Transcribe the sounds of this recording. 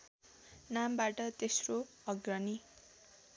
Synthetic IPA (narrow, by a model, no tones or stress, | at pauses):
nambaʈʌt̪esro | ʌɡrʌni